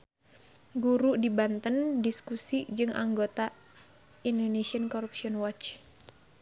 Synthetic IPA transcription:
ɡuɾudibant̪əndiskusid͡ʒɨŋʔa̰ŋɡot̪a | indonesiənkɔɾup̚siɔnwɔt͡ʃ

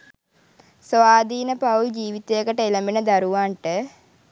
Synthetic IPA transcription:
sʋaːd̪ʱiːnəpawd͡ʑiːʋit̪ejəkəʈəeləminəd̪aɾuʋaɳʈə

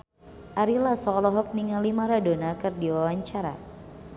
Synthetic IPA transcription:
ʔaɾilasɔːlɔɦɔk̚niŋalimaɾadonakɨrdiwawaɲt͡ʃaɾa̰

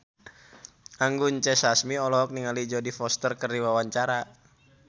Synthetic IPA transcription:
ʔaŋɡuɲt͡ʃɛsasmiɔlɔk̚niŋalid͡ʒɔdifɔst̪ərkərdiwawaɲt͡ʃaɾa

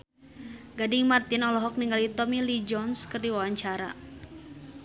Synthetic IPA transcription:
ɡadɪŋmart̪inɔlɔɦɔk̚niŋɡalit̪ɔmilid͡ʒɔnskɨrdiwawaɲt͡ʃaɾa̰

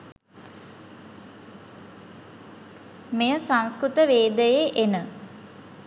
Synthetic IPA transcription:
mejəsaŋskɾut̪əʋeːd̪əjeʔenə

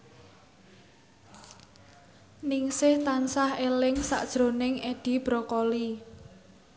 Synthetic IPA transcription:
nɪŋsɪht̪ansahelɪŋsa̰ʔd̥ʒ̥ɾo̤nɪŋeɖ̥i̤b̥ɾɔkɔli

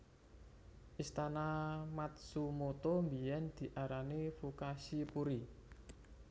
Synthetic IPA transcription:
ʔist̪anamat̪̚sumot̪ombijɛnd̪̥i̤ʔaɾanefokasipuɾi

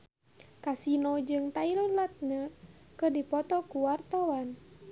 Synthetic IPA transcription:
kasinɔd͡ʒɨŋt̪ailɔlat̪̚ɲakɨrdipɔt̪ɔkuwart̪awan

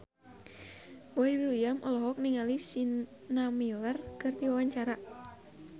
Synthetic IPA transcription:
boiwiliamʔɔlɔɦɔk̚niŋalisin | namilərkɨrt̪iwawaɲt͡ʃaɾa

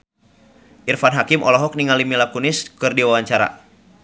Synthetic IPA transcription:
ʔirfanɦakimʔɔ̰lɔɦɔk̚niŋalimilakunɪskɨrdiwawaɲt͡ʃaɾa̰

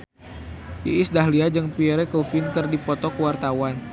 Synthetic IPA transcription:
ḭʔisdahliad͡ʒɨŋpiɛɾɛkofink̪ɨrdipɔt̪ɔkəwart̪awan

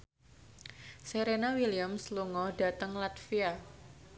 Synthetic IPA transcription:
seɾenawiliamsluŋɔɖa̤t̪əŋlat̪fia

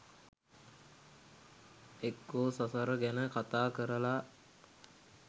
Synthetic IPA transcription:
ekːoːsasaɾəɡænəkat̪aːkəɾəla

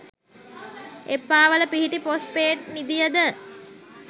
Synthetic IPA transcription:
epːaːʋələpiɦiʈipos̚peːʈnid̪ijəd̪ə

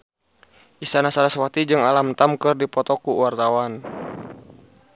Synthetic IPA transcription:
ʔisanasalaswat̪id͡ʒɨŋalamt̪amkɨrdipɔt̪ɔkuwart̪awan

